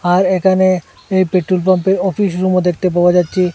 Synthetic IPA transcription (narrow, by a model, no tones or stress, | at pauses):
aɾekʰane | ejpeʈɾolp̬ampeɾɔfiʃɾumod̪ek̚ʰt̪ep̬aoad͡ʑatːɕʰi